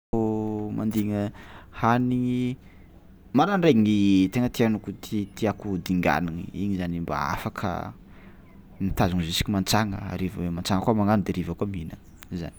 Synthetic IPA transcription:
oma̰nd̪iŋəhani | maɾanreiŋit̪eŋət̪ianukut̪ʰit̪iakud̪iŋɡa̰niŋḭiɲizanimba̰a̰fakʰə̰ | nit̪azuŋizisi̥kimant͡saŋə̰a̰ɾivawemant͡saŋəkuamaŋanud̪eɾivakuaminə | iza̰ni̥

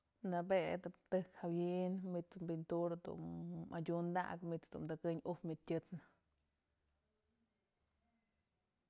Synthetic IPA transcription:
nabed̪ɨpt̪ɨkhawjinmit͡s̪mbint̪uɾd̪ṵnadʲund̪a̰ʔkmit͡s̪d̪ṵmd̪akɨɲupmit̪̚tʲɨt͡snɨ

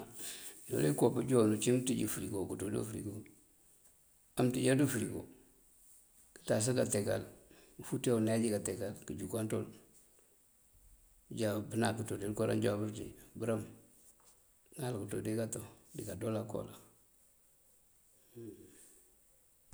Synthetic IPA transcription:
no̰lekopəd͡ʒonut͡ʃimtiɟifuɾikokutodo̰fɾḭɡo | amtid͡ʒadufuɾiko̰ | kə̥tas̬aɡateka̰lfutenad͡ʒikateɡalkid͡ʒukanto̰l | ɟabənakutodilkoɾa̰nd͡ʒabəɾtḭbəɾam | nalkuto̰dekatodikadolako̰la

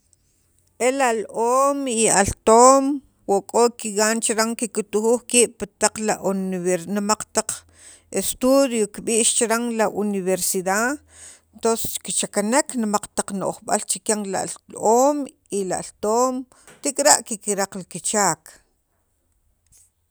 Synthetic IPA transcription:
ʔelalʔoːmialt̪oːm | woʔkʼokiɡaːnt͡ʃɾaŋkikut̪uχuːχkiːɓ̥pat̪aq͡χlauenmaq͡χt̪aq͡χ | est̪uðjokiɓiːʔʃt͡ʃɾaŋlaʔuniβeɾsiða | t̪ose̥skit͡ʃakaneknmaq͡χt̪aq͡χno̰ʔχɓa̰lt͡ʃikaŋlalloːm | ilalt̪oːm | t̪ikʼɾaʔkikiɾaqlkit͡ʃaːk

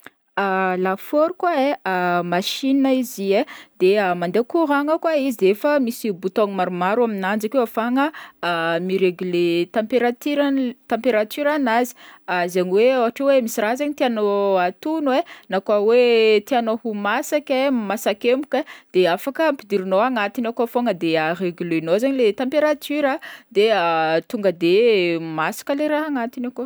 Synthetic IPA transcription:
alafoɾukwaeamaʃinaizied̪̥eamand̪ekuɾaŋəkwaizid̪efəmisibut̪oŋimaɾumaɾuaminand͡zakewafaŋəː | miɾeɡylet̪ãmpeɾat̪iɾt̪ãmpeɾat̪yɾanazi̥azaɲiweawaʈ͡ʂewemisiɾazaɲit̪ianoat̪unwenakwawet̪ianohumasakʲemasakʲemu̥kʲad̪̥eafakəmpid̪iɾinoaŋat̪inakafoŋəd̪eareɡylenozaɲilet̪ãmpeɾat̪yɾad̪eat̪uŋɡəd̪emasḁkʲəleɾaɦaŋat̪inako

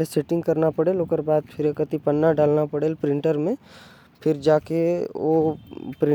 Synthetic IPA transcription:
leseʈɪ̃ŋɡkɐɾnapəɽeloːkəɾbaːd̪pʰɪɾekət̪ipənːaɖaːlnapɐɽeːlpɾɪ̃ɳʈəɾmẽ | pʰɪɾd͡ʒaːkeopɾɪ̃

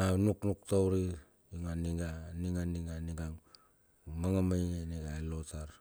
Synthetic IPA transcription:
anuknuktowɾi | iŋaniŋaniŋaniŋaniɡaŋ | maŋamajeneɡaelotaɾ

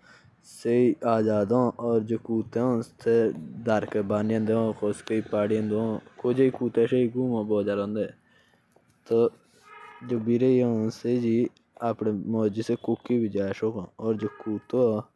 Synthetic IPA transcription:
seiːaːzaːd̪õːʔɔːɾd͡ʒoːkuːt̪ẽːõt̪eːd̪əɾkebaːnjãnd̪eõːkoskəiːpaːɽɪjãːd̪õːkoːd͡ʒeiːkuːt̪ẽːʃeiːɡuːmãːboːd͡ʒaːɾõːnd̪eː | t̪o | d͡ʒoːbiɾeːiõnseid͡ʒiː | aːpɳeːmɔːd͡ʒiːseːkʊkːiːbid͡ʒaːeʃoːkõːɔːɾd͡ʒoːkuːt̪oː

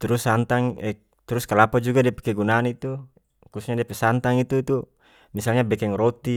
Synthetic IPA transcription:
t̪uɾusːant̪aŋɛ | t̪uɾuskalapad͡ʒuɡadiape̥kɛɡunaːnit̪u | kusɲadiapɛsant̪aŋit̪uit̪u | misalɲabɛkɛŋrot̪i

